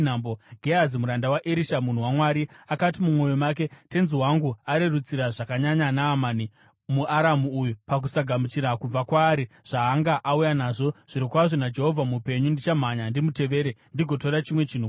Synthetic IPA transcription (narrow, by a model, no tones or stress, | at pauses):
namboɡʱeazimuɾandawaʔeɾiʃamun̤uwamwaɾiakatimumwo̞jo̞mak̬e̞te̞nziwaŋɡuaɾerut͡siɾaʐakaɲaɲanaːmani | muʔaɾamuujupak̬usaɡʱamut͡ʃiɾakub͡vakwaːɾi | ʐ̥aːŋɡaʔaujanaːʐo̞ʐ̥iɾikwaʐonad͡ʒe̞ɦo̞vʱamupe̞ɲundit͡ʃam̤aɲandimute̞ʋe̞ːɾendiɡʱo̞toɾat͡ʃimwe̞t͡ʃiːn̤u